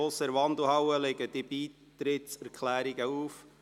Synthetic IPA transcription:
oːsəɾʋɑnd̪l̩ˠhɑwəlɪɡəd̥ib̥iːt̪ɾɪtsɛɾkʰlæːɾɪɡəuːf

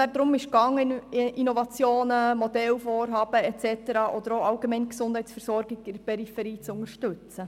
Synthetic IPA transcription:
æd̥̪ɾʊmɪʃkɑŋːəʔinovɑt͡sjoːnəmod̪ɛlfoːrɦɑːb̥əɛt͡sɛtəɾɑːʔɔd̥̪əɾoɑlɡemɛɪnksʊnd̥hɛɪtsfɛɾsɔɾɡɪɡɪdpɛɾifɛɾiːt͡sʊŋəʃtɵt͡sə

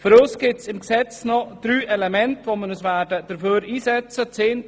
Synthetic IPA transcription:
fʏɾoːsɡ̥ɪsɪmksɛt͡snɔd̥ɾyːʔɛlɛmɛntʋoːmənəsvæɾdəd̥əɾføːɾiːsɛt͡sət͡seːn

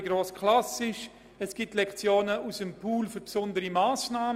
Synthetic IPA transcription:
ɡɾoːskʰlasɪʃ | ɛsɡ̥ɪtlɛkt͡sjoːnəusəmpʰuːlfʏɾpsʊndəɾimaːsnaːm

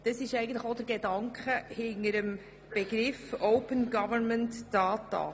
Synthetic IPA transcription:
d̥ɑsɪʃɛɪɡən̩tləxod̥əɾɡedɑŋkχəhɪŋəɾəm | b̥ɛɡɾɪfɔʊpənɡɑvənməntd̥ɑːtɑ̰

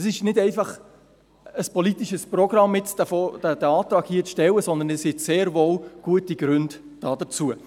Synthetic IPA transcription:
sɪʃnɪdɛɪfɑχ | əspɔlit̪iʃəsprɔɡɾɑmːɪt͡sdfod̥əd̥ɛɑːt̪ɾɑːɡhiːət͡sʃtɛlːəsɔnd̪ənɛshɪtseːɾvoːlɡ̥uətiɡ̥ɾʏnd | d̥ɑːd̥ət͡suə

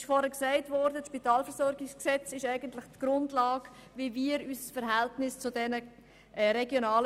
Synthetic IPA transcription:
ɪʃfɔɾhɛksæɪtvɔɾdətʃpitɑːlfəɾzɔɾɡɪksksɛt͡sɪʃæɪɡəntlɪχtɡ̥ɾʊndlɑːɡviviːɾysəsfəɾɦɛltnɪst͡sʊdɛnə | ʔɾɛɡjonɑːl

